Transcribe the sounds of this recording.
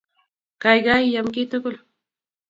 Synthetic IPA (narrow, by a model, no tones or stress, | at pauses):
kɑjɢɑjːamkɪt̪ʊkʊl